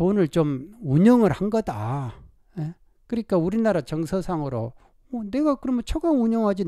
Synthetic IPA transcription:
onɯɭt͡ɕomuɲʌŋɯɾhanɡʌda̰ | e | kɯɾik͈auɾinaɾat͡ɕʌŋsʰʌsʰaŋɯɾo̰ | mʌne̞ɡakɯɾʌmʌt͡ɕʰʌɡauɲʌŋɦad͡ʑin

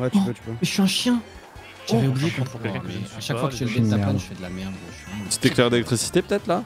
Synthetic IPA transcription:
wɛt̪yøy̥vøʃyɛ̃ʃjɛ̃ | ʒavɛubliʒed̪əkɔ̃t̪χɔ̃kɛ̃mɛaʃakfwakəʒɛlvɛsapanʒəfɛd̪əlamɛʁd̪ɔʃsɛ̥t̪ɛklɛʁd̪elɛk̚t̪χisi̥t̪epø̥t̪ɛt̪χla

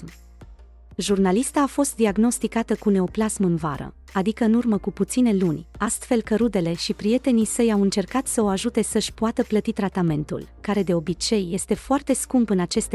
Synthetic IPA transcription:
ʒurnalist̪aːfo̞st̪̚d̪iaɡno̞st̪ikat̪əkune̞o̞plasmɨnvaɾə̰ | ad̪ikəɨnurməkuput̪sine̞lunʲast̪fe̞lkəɾud̪e̞le̞ʃipɾije̞t̪e̞nisəjawɨnt͡ʃe̞rkat̪səo̞aʒut̪e̞səʃʲpoat̪əplət̪it̪ɾat̪ame̞nt̪ṵlkaɾe̞d̪e̞o̞bit͡ʃe̞jːe̞st̪e̞foart̪e̞skumpɨnat͡ʃe̞st̪

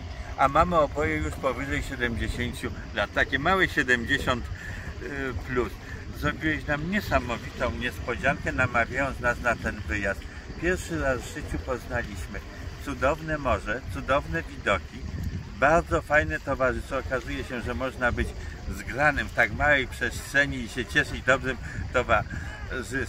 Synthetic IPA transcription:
amamɘɔbɔjɛjuʂpɔvɘʐɛjɕɛd̪ɛmd͡ʑeɕeɲt͡ɕu | lat̪ːakʲɛmawɛɕɛd̪ɛmd͡ʑeɕɔnt̪ | pluszɾɔbʲiwɛɕnamɲɛsamɔvʲit̪ɔ̃w̃ɲɛspɔd͡ʑaŋkɛnamavʲjajɔ̃nt̪snasnat̪ɛnvɘjast̪ | pʲjɛɾfʂɘɾazvʐɘt͡ɕupɔznalʲiɕmɘ | t̪sud̪ɔvnɛmɔʐɛt̪sud̪ɔvnɛvʲid̪ɔkʲibaɾd̪zɔfajnɛt̪ɔvaʐɘst̪ɔːkazujɛɕɛʐɛmɔʐnabɘd͡ʑzɡɾanɘmft̪akmawɛjpʂɛstʂɛɲiːɕɛt͡ɕɛʂɘd͡ʑd̪ɔbʐɘmt̪ɔvaʐɘ

